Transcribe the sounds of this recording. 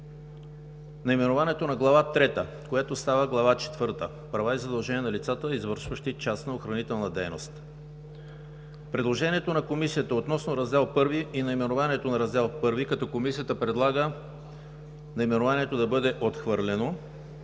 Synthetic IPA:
nɐimɛnovaniɛt̪onɐɡlˠɐvat̪ɾɛt̪ə | kojat̪ost̪avəɡlˠɐvat͡ʃɛ̥t̪vɤɾt̪ə | pɾɐvaizɐd̪ɐlˠʒɛniɛnɐlʲit̪sat̪əizvɤɾʃvəʃt̪it͡ʃasnəoxɾɐnit̪ɛlˠnəd̪ɛjno̰st̪ | pɾɛd̪lˠoʒɛniɛt̪onɐkomisiət̪əot̪nɔsnoɾɐzd̪ɛlˠpɤɾviʔinɐimɛnovaniɛt̪onɐɾɐzd̪ɛlˠpɤɾvikɐt̪ɔkomisijət̪əpɾɛd̪lˠaɡə | nɐimɛnovaniɛt̪od̪ɐbɤd̪ɛʔot̪xvɤɾlʲɛno

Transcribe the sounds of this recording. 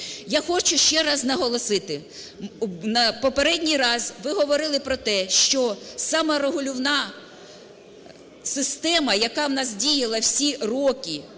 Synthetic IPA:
jaxɔt͡ʃʊʃt͡ʃɛɾɑznɐɦɔlˠɔsɪt̪ɪ | nɐpɔpeɾɛdʲnʲijɾɑzʋɪɦɔʋɔɾɪlˠɪpɾɔt̪ɛʃt͡ʃɔsɑmɐɾeɦʊlʲʊwnɑ | sɪst̪ɛmɐjɐkɑwnɑzʲdʲijɐlˠɐwsʲirɔkʲi

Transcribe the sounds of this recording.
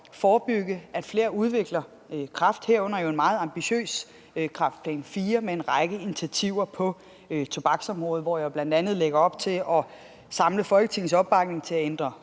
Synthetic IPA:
fɒːb̥yɡ̥əæd̥fle̝̰ːɐuð̞ˠʋe̝ɡ̥lɐ | kʰʁɑ̈fd̥heɐ̰ɔ̽n̰ɐjo̝e̝nmɑ̈ːð̞̩ˠɑ̈mb̥iɕø̰ːs | kʰʁɑ̈fd̥̚pʰlɛ̰nfiːɐmeenʁɑɪɡ̥əinit͡sʰiæt͡sʰiʊ̰ɐpʰɒ̽ | t͡sʰo̝b̥ɑ̈ɡ̥sɒ̽mʁɔːð̞̩ˠʋɒ̰jäɪb̥læn̰d̥ænð̞̩ˠleɡ̥ɐɒ̽b̥̚t͡sʰe̝lʔɒ̽ | sɑ̈mləfɒ̽lɡ̥ət͡sʰe̝ŋn̩sɒ̽b̥̚ːɑ̈ɡ̥̚ne̝ŋt͡sʰe̝æend̥ʁɐ

